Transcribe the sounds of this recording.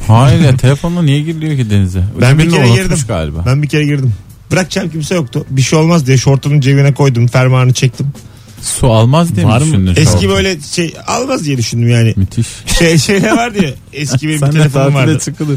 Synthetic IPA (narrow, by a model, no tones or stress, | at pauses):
hajat̪ʰelʲefond̪ˠanijɛɟiɾlʲijocid̪enizɛbænbiceɾɛɡiɾd̪imɡa̰ːlʲiba̰bænbicʰe̞ɾɛɟiɾd̪im | bɯɾak̚t͡ʃʰamcimsɛjo̞k̚t̪ʰʊbiʃijo̞lˠmazd̪ijɛʃo̞ɾt̪ʰumund͡ʒevinɛkʰo̞jd̪umfæɾmaːnɯt͡ʃʰɛc̚t̪ʰim | sualˠmazd̪ijɛaɾnɛsʰʲibø̞jlʲɛʃeja̰lˠmazd̪ijɛd̪yʃynd̪ymjaːnɪmyt̪ʰiʃeʃejlʲɛvaɾd̪ijɛ | ɛscʰibeiimilʲefonumvaɾd̪t͡ʃʰɯkɯd̪ɯ